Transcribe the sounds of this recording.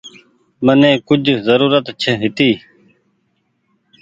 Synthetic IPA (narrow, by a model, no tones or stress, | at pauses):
mənẽːkʊd͡ʒʱzəɾuːɾət̪t͡ʃʰeɦɪt̪iː